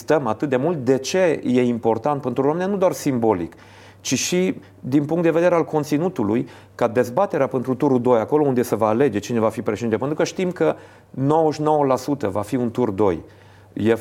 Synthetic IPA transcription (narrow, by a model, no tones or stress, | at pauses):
st̪əmat̪ɨt̪̚d̪e̞mult̪̚d̪e̞t͡ʃe̞je̞impo̞rt̪ant̪̚pe̞nt̪ɾuoamenjanud̪oarsimbo̞lḭk | t͡ʃiʃi | d̪inpuŋkt̪d̪eve̞d̪eɾealko̞nt̪sinut̪uluj | kad̪e̞zbat̪e̞ɾeape̞nt̪ɾut̪uɾud̪o̞jako̞lo̞und̪e̞səvaːle̞d͡ʒe̞t͡ʃine̞vafipɾeʃeiepent̪ɾukəʃt̪imkə | no̞wəʃno̞wəlasut̪əvafiunt̪urd̪o̞̰j | je